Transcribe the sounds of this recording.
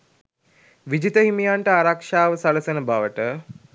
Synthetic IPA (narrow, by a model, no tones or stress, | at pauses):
ʋid͡ʒit̪əɦimijaɳʈəaɾakʂaːʋəsaləsenəbaʋəʈə